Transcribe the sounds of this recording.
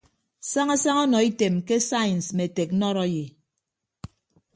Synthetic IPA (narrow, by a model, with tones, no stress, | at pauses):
sa˦ŋa˦sa˦ŋɔ˦nɔ˨i˦te˨mke˦sa˦jn˨sme˨te˨k̩̚˦nɔ˦ɾɔ˦je˨